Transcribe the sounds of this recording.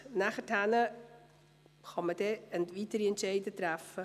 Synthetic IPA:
næχəthænə | χɑmədɛəntitəɾiənt͡ʃɛjdət̪ræfə

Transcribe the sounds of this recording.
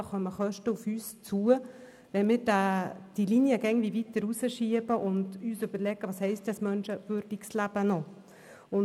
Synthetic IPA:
χœməχœʃtəufyːst͡suə | ʋɛnmɪːɾdad̥ilinjəɡɛɪndviːvit̪ːəɾusəʃiəbəʔʊndyːsʏbəɾlɛɡ̥əʋɑːshɛɪstdɛsmœnʃəvøɾdikslæb̥ənɔ | ʊn

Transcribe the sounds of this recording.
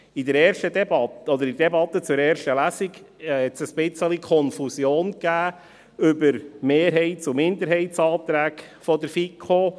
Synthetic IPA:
idɛɾɛːɾʃtəd̪ɛbɑtɔd̪əɾidɛbɑt̪ːət͡sʊɾɛːɾʃtəlæsiɡhɛtsəsbɪt͡səlikʰɔnfusjoːnkæː | ʏbəɾmeːɾɦɛɪtt͡sʊmɪnd̪əɾɦɛɪtsɑːt̪ɾæːɡ | fɔd̪əɾfikʰːo

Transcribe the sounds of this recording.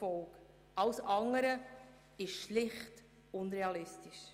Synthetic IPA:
ɔlk | ʔɑwsɑŋəɾə | ɪʃʃlɪχt | ʊnɾeɑlɪstɪʃ

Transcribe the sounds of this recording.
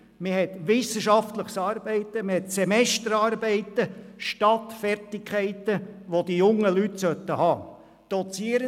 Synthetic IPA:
mɪɦɛt̪ʋɪsəʃɑft̪ləχsɑːɾbɛɪt̪ːəmɪhɛt̪sɛmɛst̪əɾɑːrbɛɪt̪əʃtɑt̪fɛrtɪkʰɛɪt̪əʋod̥̪ijʊŋːəlyt̪sœt̪ːəhɑː | d̪̥ɔt͡siəɾə

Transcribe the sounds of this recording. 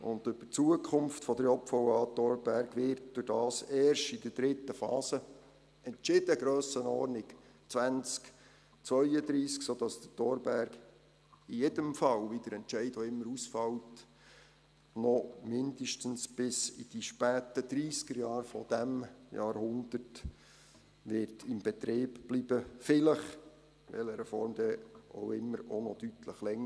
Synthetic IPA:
ʔʊ̰nd̥̪ʏb̥ət͡suəkʰʊmftfɔd̪əɾjɔpfɔwɑːt̪ɔɾb̥æɾɡʋɪɾt̚d̥ʊɾd̥ɑːseːrʃtid̥əd̥ɾɪtːəfɑ̰ːsə | ɛntt͡ʃɪd̥əɡɾøːsənɔ̰ːrnɪk | t͡sʋænt͡sk | t͡sʋœʏəd̪ɾiːsksoːd̥ɑsd̥̪ətɔːɾbæɾɡ | ijedəmfɑwʋid̥̪əɾɛntt͡ʃɛɪdoɪmːəɾusfɑwt | nɔmɪnd̥̪əʃtənsb̥ɪsḭd̥iʃpæːtəd̪ɾiːskəɾjɑːɾfɔd̥̪æmjɑːɾhʊnd̥əɾt | ʋɪɾtʰɪmb̥ɛt̪ɾeːbb̥lib̥əfɪləχ | ʋɛ̰ləɾɛfɔɾmd̪ɛʔo̰ʊɪmːəɾonɔd̥yt̪ʰləχlɛŋːə

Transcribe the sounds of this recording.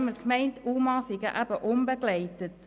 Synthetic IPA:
məkmɛɪntuːmɑːsɪɡəʔæb̥əʔʊmbəɡ̥læɪtət

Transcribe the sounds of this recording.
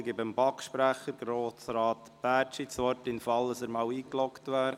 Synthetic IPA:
ɡɪbɪmbɑkʃpɾæχəɾɡ̥ɾoːsɾɑːt | b̥æːt͡ʃit͡sʋɔtɪnfɑldəsəɾmɑːwiːklɔktʋæːɾ

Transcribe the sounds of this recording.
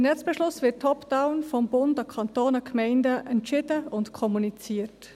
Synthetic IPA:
ɪnɛt͡sb̥ɛʃlʊsʋɪtʰːɔpd̥aʊnfɔmbʊndɑkʰɑntoːnɑkʰmɛɪndəʔɛntʃɪdəʊntkʰɔmunit͡siːət

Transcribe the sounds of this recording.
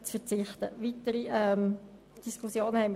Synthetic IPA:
t͡sfəɾt͡sɪχt̪ə̰ʋitəɾiɛm | d̥iskʰusjoːnəhɛɪm

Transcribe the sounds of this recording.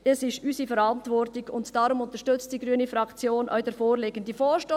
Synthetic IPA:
ɛsɪʃysifɛɾɑntvɔrtɪɡʊntd̥ɑɾʊmʊntəʃtʏt͡std̥iɡɾyənifɾɑkt͡sjoːnʔœ̰ʏd̥ɛɾfoːɾleːɡ̥əndifoːʃto

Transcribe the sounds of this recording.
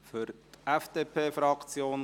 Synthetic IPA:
fʏɾt̪ʔɛfd̥eːpʰeːfɾɑkt͡sjoːn

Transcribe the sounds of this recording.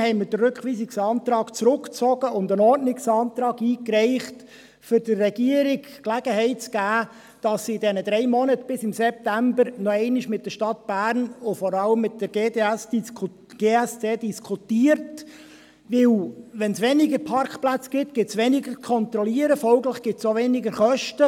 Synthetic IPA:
hɛɪməd̥ərʉkχʋiːsɪksɑːnt̪ɾɑːkt͡sɾʊkt͡sɔɡ̥əʊndənɔrtnɪksɑːnt̪ɾɑːɡiːkɾɛɪχt | fʏɾd̥əːɛɡiəɾɪk | klæɡ̥əɦɛɪtsɡ̥æː | d̥ɑsɪdɛnəd̥ɾɛɪmɔnətb̥ɪsɪmsɛp̚tæmbəɾnɔɛɪnɪʃmɪt̚d̥əʃtɑt̚b̥æːɾnʊfɔɾɑləmːɪt̚d̥əɾɡeːdeæs | ɡ̥eːæst͡seːdiskʰutiːəɾt | ʋɪlʋɛnsʋɛnɪɡəɾpʰɑrkχplæt͡sɡ̥ɪtɡ̥ɪtsʋɛnɪɡəkʰɔnt̪ɾɔliəɾəfɔlɡləχɡ̥ɪtsoʋɛnɪɡəɾχœʃtə

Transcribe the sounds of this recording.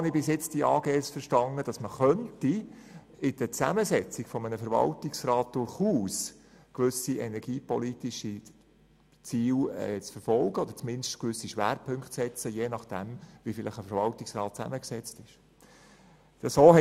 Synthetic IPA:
nɪbɪsjɪt͡std̥iɑ̰ːɡeːsfəɾʃtɑndəd̥ɑsməχœnti | ɪd̥ət͡sæməsɛt͡sɪɡ̥fɔmənəfəɾvɑ̰ltɪksrɑːt̚d̥ʊɾχuːs | kʋʏsiʔɛnɛɾɡ̥iːpɔlitɪʃi | t͡siːwɛ̰t͡sfəɾfɔlɡəɔd̪əɾt͡smɪnʃtkʋʏsːiʃʋæ̰ːɾpʰɵŋktt͡sɛt͡səjeːnɑχd̥æmvifɪləχəfəɾʋɑltɪksrɑːt̚t͡sæ̰məksɛt͡stɪʃ | əsoːhɛ

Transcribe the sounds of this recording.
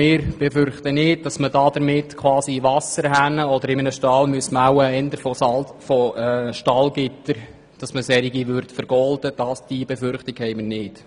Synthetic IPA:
mɪːɾb̥ɛfʏɾχt̪ənɪːd̚dɑsmədɑd̪əɾmɪtkʰwɑːsiʋɑsəɾɦænəɔdəɾɪmənəʃtɑːlmyəsmawəɛnd̪əɾfɔsɑfɔʃtɑlɡɪtəɾ | d̥ɑsməsɛɾiɡiʋʏɾtfəɾɡ̥ɔldəd̥ɑsd̥ibɛfʏɾχtɪɡ̥hɛɪməɾnɪːd̥

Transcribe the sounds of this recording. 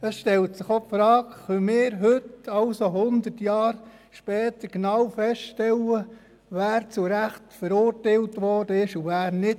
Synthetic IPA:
əsʃtɛltsɪχopfɾɑːkχœmɪːɾɦʏtɑlsoɦʊnd̪ətjɑːɾ | ʃpɛːt̪əɾknɑwfɛsʃtɛlːə | ʋæːɾt͡sʊɾæχtfəɾʊɾtaɪltʋɔrdəɪʃuʋæːɾnɪt

